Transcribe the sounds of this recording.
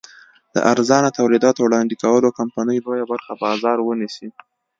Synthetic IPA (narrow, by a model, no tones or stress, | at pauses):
d̪̥ə̰ʔaɾzɑnat̪awlid̪ɑt̪owɽɑnd̪ikawəlokampɑnəjlojabaɾxabɑzɑɾwənisi